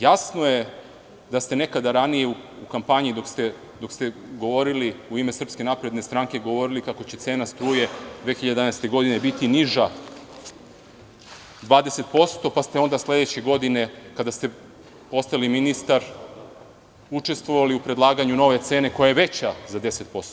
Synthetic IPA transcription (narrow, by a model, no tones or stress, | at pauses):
jasno̞je̞ | d̪ast̪e̞ne̞kad̪aɾanije̞uukampaɲid̪o̞kst̪e | d̪o̞kst̪eɡo̞ʋo̞ɾiliuime̞sr̩pske̞napɾe̞d̪ne̞st̪ɾaŋke̞ɡo̞ʋo̞ɾilikako̞t͡ɕe̞t̪seːnast̪ɾuːje̞d̪ʋe̞xiʎad̪d̪anajst̪e̞ɡo̞d̪ine̞bit̪iniʒa | d̪ʋaːd̪ese̞t̪po̞st̪o̞past̪e̞o̞nd̪asle̞d̪et͡ɕeɡo̞d̪ine̞kad̪ast̪e̞ | po̞st̪aliminist̪aɾ | ut͡ʂe̞st̪ʋo̞ʋaliupɾe̞d̪lˠaːɡaɲuno̞ʋe̞t̪se̞ːne̞kojajeʋe̞t͡ɕazad̪ese̞t̪̚po̞st̪o